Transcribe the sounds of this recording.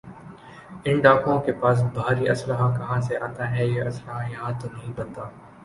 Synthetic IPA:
ɪ̃nɖaːkõkepaːs̬bʱaːɾiɐsləɦakɐɦãseʔaːt̪aɦɛjeɐsləɦajɐɦãt̪onɐɦĩbɐ̃nt̪aː

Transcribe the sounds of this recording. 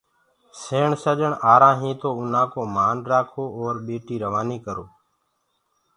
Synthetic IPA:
seːɳsəʄəɳʔaːɾãːɦĩːt̪oːʊn̤ãːkoːmaːnɾaːkʰoːoːɾɓeːʈiːɾəʋaːniːkəɾoː

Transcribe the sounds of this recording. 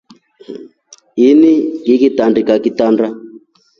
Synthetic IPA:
iniɡikitandikakitanda

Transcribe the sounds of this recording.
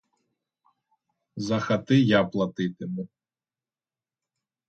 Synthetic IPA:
zɐxɐt̪ɪjaplˠɐt̪ɪt̪ɪmɛ

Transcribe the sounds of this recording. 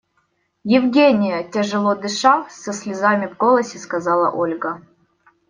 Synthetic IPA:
jɪvɡʲenʲɪjətʲɪʐɨlˠod̪ɨʂasəsʲlʲɪzamʲɪvɡolˠəsʲɪskɐzalˠɐ̰ʔolʲɡə

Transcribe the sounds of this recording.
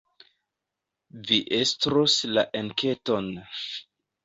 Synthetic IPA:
viʔestɾoslaʔenke̞ton

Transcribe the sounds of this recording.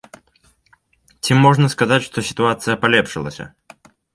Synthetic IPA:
t͡sʲimːɔʐnɐskazat͡sʲʂt̪ɔsʲi̥t̪uat̪sɨjɐpalʲɛpʂɨlˠɐ̰sʲɐ̰

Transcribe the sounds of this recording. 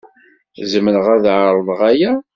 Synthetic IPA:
zəmənəʁæðʕəɾˤvˤəʁæjæ

